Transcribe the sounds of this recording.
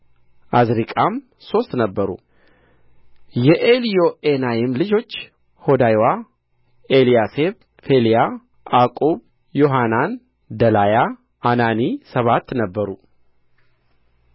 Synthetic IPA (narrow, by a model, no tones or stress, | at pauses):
ʔazɾikʼam | so̞st̪nəbːəɾṵ | jɛʔelijo̞enajɛmlɨd͡ʒo̞t͡ʃː | ho̞d̪ajwa | elijaseβ | fe̞lija | akʼoβ | jo̞ɦanan | d̪əlajaː | nanisəβat̪ːnəbːəɾu